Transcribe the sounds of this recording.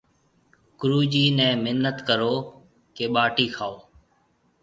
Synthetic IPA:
kʊɾuːd͡ʒiːnɛ̃ːmɪnːət̪kəɾoː | keːɓaːʈiːkʰaːoː

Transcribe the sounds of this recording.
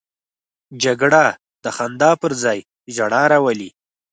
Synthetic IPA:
d͡ʒaɡɽa | d̪̥əxand̪ɑpəɾzɑj | ʒaɽɑɾawəli

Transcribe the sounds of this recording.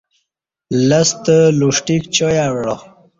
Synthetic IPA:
lɐst̪əluʂʈikt͡ɕojawɽo

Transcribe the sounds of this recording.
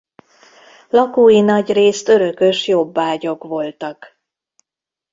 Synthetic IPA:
lɒkoːjinɒɟreːst̪ø̞ɾø̞kø̞ʃjo̞bːaːɟo̞kʋo̞lt̪ɒk

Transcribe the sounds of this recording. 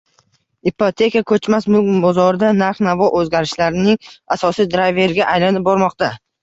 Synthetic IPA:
ipʰot̪ʰe̞kakʰɵt͡ʃmasmʊkbɒzɒɾɪd̪anaɾχnavɒʔɵzɡʲaɾɪʃlaɾɪnɪŋasɒsijd̪ɾajve̞ɾɡʲaʔajlanɪp̚bɒɾmɒq̚t̪a

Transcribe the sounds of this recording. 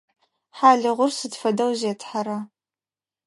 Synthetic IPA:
ħaːɮɨʁʷʊrsɨtfɐdɐwzeːtʰħaɾa

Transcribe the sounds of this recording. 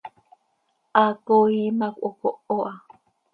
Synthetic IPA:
ʔakoimakʷʔokoʔoʔa

